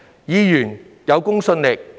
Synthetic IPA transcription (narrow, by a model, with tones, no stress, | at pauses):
jiː˧jyː˨˩n | jɐ˨˧wkʊ˥ŋsɵ˧nlɪ˨k̚